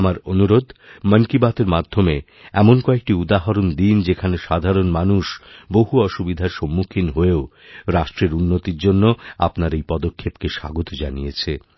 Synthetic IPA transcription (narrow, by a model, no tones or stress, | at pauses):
amaɾonuɾod̪ʱmənkibat̪eɾmad̪ʱːome | ɛmonkɔek̚ʈiud̪aɦaɾond̪ind͡ʑekʰaneʃad̪ʱaɾonmanuʃboɦuɔʃubid̪ʱaɾʃɔmːukʰinɦoeo | ɾaʃʈɾeɾunːot̪iɾd͡ʑonːoa̰pnaɾejpɔd̪okʰːebkeʃa̰ɡot̪od͡ʑanijet͡ɕʰe